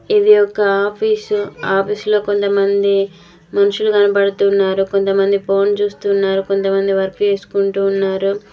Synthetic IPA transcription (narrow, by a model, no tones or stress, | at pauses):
id̪ijɔkːɐaːpʰiːsaːpʰiːslo̞ːkont̪ɐmɐnd̪i | mɐnuʂuluɡɐnɐpɐɽɐt̪unːaːɾukont̪ɐmɐnd̪ipʰo̞ːnt͡ʃuːst̪unːaːɾukont̪ɐmɐnd̪iʋɐɾkːue̞ːsu̥kuɳʈuːnːaːɾu